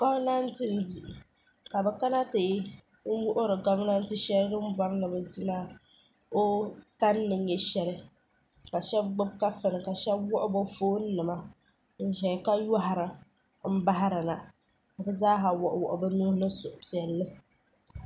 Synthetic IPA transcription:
ɡa˦bna˦n̩˦tɨ˦n˦di˨ʔɪ˨ | ka˨bɛ˨ka˦na˦tɨ˨˦ | ŋ̩˦wʊ˦ʔʊ˦ɾɨ˨ɡa˦m˦na˦n̩˦tɨ˦ʃɛ˦lɨ˦dɨ˦m̩˦ba˦ɾnɨ˨bɛ˨zi˦ma˦ | o˦ta˦nːɨ˨ɲɛ˨ʃɛ˦lɨ˦ | ka˨ʃɛ˦b̚ɡ͡bʊ˦b̚ka˦fɨ˨nɨ˨ka˨ʃɛ˦bwɔ˦ʔʊ˦ba˦foː˦n̩˦nɨ˨ma˦ | n̩˦ʒɛ˨ka˦ja˦ɦa˨ɾɨ˨ | m̩˦ba˦ɦa˦ɾɨ˨na˨ | ka˨bɛ˨zaː˦ɦa˨wɔ˨ʔʊ˨wɔ˨ʔʊ˨bɛ˦nu˦hnɨ˦sʊ˨ʔʊ˨pi˨ɛ˨lːɨ˦

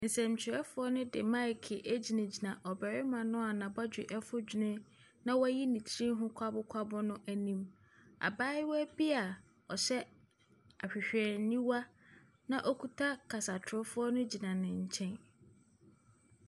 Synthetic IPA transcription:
n̩˨sɛ̃˨m˨t͡ɕʰɪ˨ɾɛ˦fʊ˨˦ɔ˦nʊ̃˦dɪ̰˨mã˦ɪ˨kʰɪ˨ʔæ˦d͡ʑi˨nã˨d͡ʑi˨nã˨ʔɔ˨bɛ˨ɾɪ˦mã˨nʊ̃˦a˨nã˨ba˦d͡ʑᶣɪ˨ʔɛ˦fʊ˦d͡ʑnɪ̃˦ | nã˦wɔ˦æ˦ji˦nĩ˨t͡ɕʰi˦ɾĩ˦ɦʊ̃˦kʷʰa˦bʊ˦kʷʰa˦bʊ˦nʊ̃˦ʔæ˨nĩ˦m | a̰˨baː˦ɪ˦wɔ˦æ˦bi˦a˨ | ɔ˨ɕɛ˦ | a˨ɕᶣɪ˨ɕᶣɛ˨ɾnĩ˦wa˦ | nã˦ʔɔ˦kʰu˦tʰa˦kʰa˨sa˨tʰʊ˦fʊ˦ɔ˦nʊ̃˦d͡ʑi˨nã˨nɪ̃˨ɲ̩˨t͡ɕʰɛ̃˦n

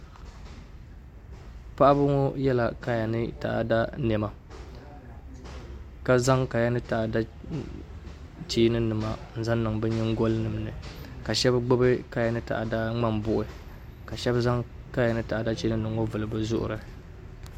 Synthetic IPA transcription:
pa˦ʔa˦bɨ˦ŋo˦jɛ˦la˨ka˦ja˨nɨ˦ta̰˨ʔa̰˨da˦nɛ˨ma˨ | ka˦za˦ŋka˨ja˦nɨ˦ta˨ʔa˨da˦ | t͡ʃiː˦nɨ˦nɨ˨ma˦n̩˦˨za˦nː˦ɨ˨ŋbɛ˦ɲɛ˦ŋ̩˦ɡo˦lnɨ˨m˦nɨ˨ka˨ʃɛ˦bɡ͡bʊ˦bɨ˦ka˦˨ja˨nɨ˦ta̰˨ʔa̰˨da˦ŋ͡ma˦mbʊ˦ʔɨ˨ | ka˨ʃɛ˦bza˦ŋ | ka˦ja˨nɨ˦ta˨ʔa˨da˦t͡ʃiː˦ɨ˦nɨ˨ŋo˦vɨ˨lɨ˨bɨ˦zʊ˦ʔʊ̰˨ɾɨ˨

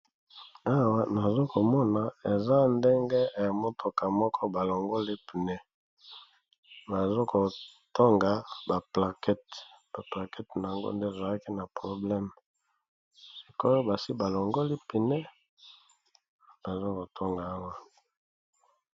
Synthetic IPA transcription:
a˦wa˦na˨zo˦ko˨mɔ˦na˨e˨za˦nde˦ŋɡe˦e˨a˨mo˦tʰo˨ka˨mɔ˦kʰɔ˦ba˨lo˨ŋɡo˦li˦pi˨nɛ˦ | ba˨zo˦ko˨to˦ŋɡa˨ba˨pla˨kɛ˦t | b̥a˨pla˨kɛ˦tna˨a˨ŋɡo̰˦nde˦˨za˨la˦ki˦na˨pʁo˨blɛ˦m | e˨ko˦jo˦ba˨si˦ba˨lo˨ŋɡo˦li˦pi˨nɛ˦ | ba˨zo˦ko˨tʰo˦ŋɡa˨a˦wa˦

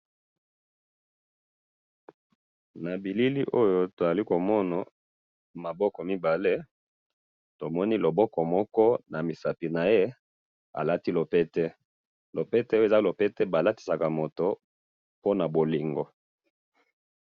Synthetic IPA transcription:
na˨bi˨li˦li˦ʔo˦jo˦to˨za˨li˦ko˨mɔ˦na˨ | ma˨bɔ˦kɔ˨mi˦ba˨le˦ | to˨mɔ˦ni˦lo˨bɔ˦kɔ˨mɔ˦kɔ˦na˨mi˨sa˨pi˨na˨je˦ | a̰˨la˦ti˦lo˨pɛ˦tɛ˦ | lo˨pɛ˦tɛ˦e˨za˦lo˨pɛ˦tɛ˦ba˨la˦ti̥˨sa˨ka˨mo˨to˦ | po˦na˨bo˨li˨ŋɡo˨

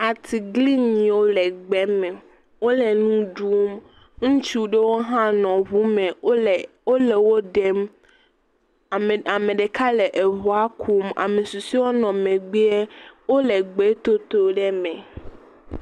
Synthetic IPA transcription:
a˨t̪ʰi˨ɡli˦ɲĩ˨wo˦lɛ˨ɡ͡bɛ˦mɛ̃˨ | wo˦le˨nũ˦ɖu˦m | ŋũ˦t͡ʃu˦ɖe˦wo˦ɦã˦nɔ̃˨βu˦mẽ˨ | wo˦le˨wo˦ɖe˦m˨ | a˨mẽ˨ɖe˨kʰa˦le˨ʔe˨βu˨a˦kʰu˦ma̰˨mẽ˨su˨si˦wo˦nɔ̃˨mẽ˨ɡ͡bi˦e˦wo˦le˨ɡ͡be˨˦t̪o˦t̪o˦ɖɛ˦mɛ̃˨

